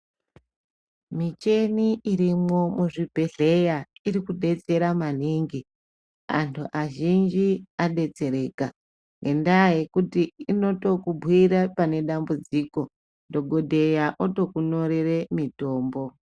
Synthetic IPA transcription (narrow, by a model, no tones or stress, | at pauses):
mit͡ʃe̞niiɾimo̞muʐibʱe̞ɮe̞jaiɾikuɗe̞t͡se̞ɾaman̤iːŋɡi | a̰ntʰuʔaʒind͡ʒiaɗe̞t͡se̞ɾe̞ːka | ŋɡe̞ndajekutiino̞to̞kubʱwiɾapane̞ɗambud͡ziːko̞ | ndo̞ɡʱo̞dʱe̞jaʔoto̞kuno̞ɾere̞mito̞ːmbo̞